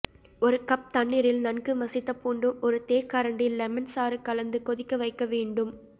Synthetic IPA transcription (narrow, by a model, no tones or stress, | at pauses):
ɔɾɯkɐp̚t̪ɐɳːɪɾɪlnɐnkɯmɐsɪt̪ːɐpːuːɳɖɯmɔɾɯt̪eːkːaɾɐɳɖɪlːɛmɐnsaːɾɯkːɐlɐnd̪ɯkɔðɪkːɐʋɐɪkːɐʋeːɳɖɯm